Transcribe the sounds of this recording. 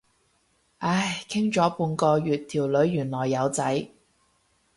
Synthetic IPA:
ʔaː˧˥jkʰɪ˥ŋt͡ʃɔː˨˥puː˧nkɔː˧jyː˨t̪ʰiː˨˩wlɵ˨˧˥ɥːyː˨˩nlɔː˨˩jːɐ˨˧wt͡sɐ˨˥j

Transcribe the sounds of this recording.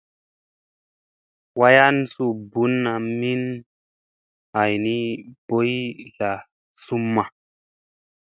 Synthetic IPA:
wa˦ja˦n˦su˦bu˨˦nːa˨mi˦n | a˨jni˦b̥o˦jɬa˨ | su˦mːa˨

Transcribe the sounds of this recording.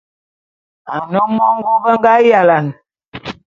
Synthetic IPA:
a˨nɔ˦mɔ˦ŋ˦ɡu˦bə˦ŋ˦ɡa˦ja˨la˨n

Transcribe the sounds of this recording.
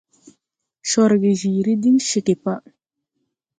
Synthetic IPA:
ʃɔ˨ɾɡi˨ʒi˨ɾi˦di˦ŋʃe˨ke˨pa˦

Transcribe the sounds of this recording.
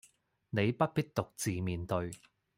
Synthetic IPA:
ne˨˧jpɐ˥t̚piː˥t̚t̪ʊ˨k̚t͡siː˨miː˨nt̪ɵ˧ɥ

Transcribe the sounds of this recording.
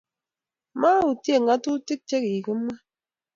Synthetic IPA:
ma˦u˨tje˦˨ŋa˦tu˦ti˦k̚t͡ʃe˦ki˨kɨ˦m˦ma˦

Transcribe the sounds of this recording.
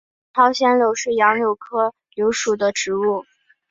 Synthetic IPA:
tʰɑ˥ʊɕjɛ˥nljo˧˥ʊʂɻ̩˥˩jɑ˧˥ŋljo˨˩ʊkʰɤ˥ | ljo˧˥ʊʂu˨˩d̪ə˦ʈ͡ʂɻ̩˧˥u˥˩

